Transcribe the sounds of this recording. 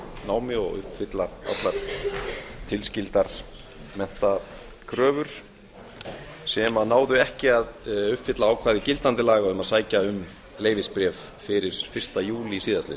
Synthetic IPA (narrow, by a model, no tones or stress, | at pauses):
naːwmɪɔ̰ɣʏ̰hpfɪt̪laa̰t̪laɾ̥ | t̪ʰɪlscɪlt̪aɾ̥ | mɛn̥t̪a | kʰɾœːvʏɾ̥ | sɛmanaːwðʏɛhcɪaðʏhpfɪt̪laaːwkʰvaːðɪcɪlt̪ant̪ɪlaːɣaʏmaðsaːjcaʏm | leːjvɪspɾjɛːf | fɪɾɪɾ̥fɪr̥st̪ajuːlɪisiːðaslɪ̰